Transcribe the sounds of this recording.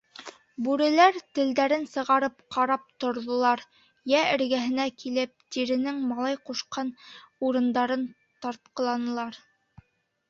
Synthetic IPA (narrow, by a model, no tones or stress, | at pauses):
bʉɾɘ̆læɾt̪ɘ̆ld̪æɾɘnsɤ̆ʁɑɾɤp̚qɑɾɑp̚t̪ŏɾðŏlˠɑɾ | jæɘ̆ɾɡæɦɘ̆nækilɘp̚t̪iɾɘ̆nɘŋmɑlˠɑjquʃqɑnuɾɤ̆nd̪ɑɾɤn | t̪ɑɾt̪̚qɤ̆lˠɑnɤ̆lˠɑɾ